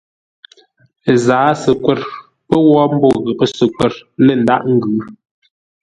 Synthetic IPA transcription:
zaː˨˦sə˨kwɛ˦˨ɾ | pə˦wɔ˦m̩˦bɔ˦˨ɣə˨pə˦sə˨kwɛ˦˨ɾlə˦˨n̩˦da̰˦ʔŋ̩˦ɡʉ˨˦

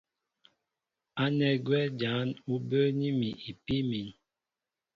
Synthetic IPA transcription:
a˦nɛ˨ɡwɛ˦d͡ʒa˨˦nu˦bə˦ni˦mi˨ʔi˨pi˦mi˨n

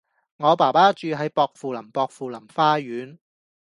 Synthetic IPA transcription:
ŋɔː˨˧paː˨˩paː˥t͡ʃyː˨˧ɦɐ˨˥jpɔː˧k̚fuː˨˧lɐ˨˩mpɔː˧k̚fuː˨˩lɐ˨˩mfaː˥jyː˨˥n

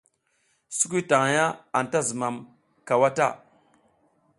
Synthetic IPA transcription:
su˦k̬i˦ta˨ŋ˨ja˦a˨n˨ta˦zə˨ma˨m | ka˨wa˦ta˦˨

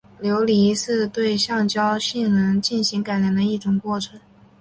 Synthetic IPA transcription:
ljo˧˥ʊli˧˥ʂɻ̩˥˧t̪we˥˧ɪɕjɑ˥˩ŋt͡ɕjɑ˥ʊɕi˥˩ŋnɤ˧˥ŋt͡ɕi˥˩nɕi˧˥ŋka˨˩ɪlja˧˥nd̪ə˧i˥˩ʈ͡ʂʊ˨˩ŋkwɔ˥˩ʈ͡ʂʰə˧˥ŋ

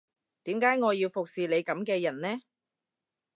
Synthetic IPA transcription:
t̪iː˨˥mkaː˨˥jŋɔː˨˧jiː˧wfʊ˨k̚siː˨le˨˧jkɐ˨˧˥mkɛː˧jɐ˨˩nnɛː˥

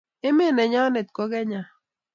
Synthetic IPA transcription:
e˦me˦ne˨ɲaː˦ne˨t̪̚kʷoɡe˦ɲa

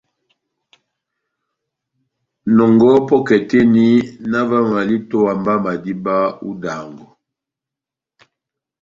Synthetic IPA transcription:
nɔ˨ŋɡɔ˦pɔ˦kɛ˨te˦ni˦na˦va˦ma˨li˦to˦a˨mba˦ma˨di˦ba˦ṵ˦da˨ŋɡɔ˨

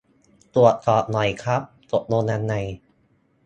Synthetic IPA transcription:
t̪u˨˩ət̪̚sɔː˨˩t̪̚nɔ˨˩jkʰɾa˦˥p̚t̪o˨˩t̪̚noː˧naː˧nːa˨˩j

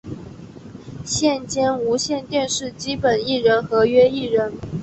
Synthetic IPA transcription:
ɕjɛ˥˩nt͡ɕjɛ˥nu˧˥ɕjɛ˥˧nt̪jɛ˥˧nʂɻ̩˥˩t͡ɕi˥pə˨˩ni˥˩ɻə˧˥nxɤ˧˥ɥɛ˥i˥˩ɻə˧˥n

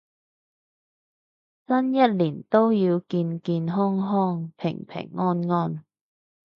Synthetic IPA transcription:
sɐ˥njɐ˥t̚liː˨˩nt̪o˥wjiː˧wkiː˧nkiː˧nɦɔ˥ŋɦɔː˥˩ŋpʰɪ̰˨˩ŋpʰɪ̰˨˩ŋːɔː˥nŋɔː˥˩n

